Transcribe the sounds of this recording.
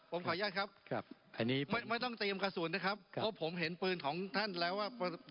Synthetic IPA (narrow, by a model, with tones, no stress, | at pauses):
pʰo˩˦mkʰaː˨˩˦jaː˥˩kʰa˦˥p̚k̚ʰʔa˧nːiː˦˥ma˥˩jma˥˩jt̪ɔ˥˩ŋt̪iː˧əmka˧su˨˩ənːa˦˥˩kʰa˦˥p̚ʰːɔ˦˥pʰo˩˦mɦe˩˦npɯː˧nkʰɔː˩˦ŋt̪ʰa˥˩nlɛː˦˥waː˥˩pː